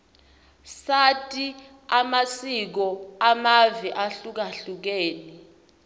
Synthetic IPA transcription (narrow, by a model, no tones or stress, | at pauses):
satʼi | amasik̬ɔamaviʔaɬuk̬aɬuk̬ɛːnɛ